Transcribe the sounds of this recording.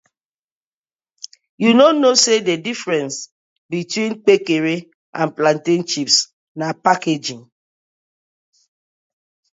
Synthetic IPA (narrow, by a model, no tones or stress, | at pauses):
junonosededifɹɛ̃ns | bitwĩnk͡pekeɾe | ãnplãntĩnt͡ʃips | napaked͡ʒĩŋ